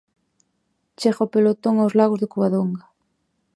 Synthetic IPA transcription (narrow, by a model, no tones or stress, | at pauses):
t͡ʃexopelot̪oŋawzlaɣozðɪkuβaðoŋɡa